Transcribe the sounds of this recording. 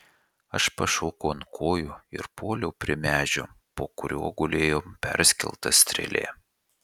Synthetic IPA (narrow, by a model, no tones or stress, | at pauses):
ɐʃpɐʃoːkoːnkʰoːjʊɪ̰ɾpʰoːlʲɛʊpʲɾʲɪmʲæːʒʲʊ | poːkʊɾʲoːɡʊlʲeːjoːmpʲɛ̰ɾʲsʲkʲɛ̰lˠt̪ɐsʲt̪ʲɾʲɛ̰lʲḛː